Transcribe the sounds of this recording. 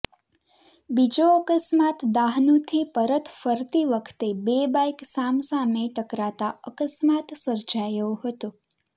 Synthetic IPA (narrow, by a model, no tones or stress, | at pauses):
bid͡ʒoəkəsmat̪d̪aɦnũt̪ʰipəɾət̪fəɾt̪iʋəkʰt̪ebebajksamsameʈəkɾat̪aəkəsmat̪səɾd͡ʒajoɦət̪ũ